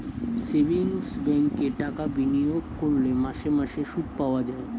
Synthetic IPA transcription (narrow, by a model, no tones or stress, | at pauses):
sebiŋsbɛŋkeʈakabinioɡkoɾlemaʃemaʃeʃuʈ̚paoad͡ʑae